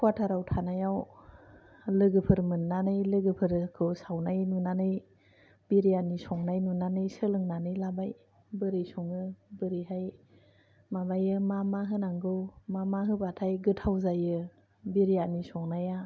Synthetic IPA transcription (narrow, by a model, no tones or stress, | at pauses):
kʰwatʰaɾawtʰanajaw | lɯɡɯpʰɯɾmɯnːanɯjlɯɡɯpʰɯɾkʰɯwsawnajnunanɯj | biɾijanisɔŋnajnunanɯjsɯlɯŋnanɯjlabaj | bɯɾɯjsɔŋɯbɯɾiɦaj | mabajɯmamaɦɯnaŋɡɯwmamaɦɯbatʰajɡɯtʰawzajɯ | biɾijanisɔŋnaja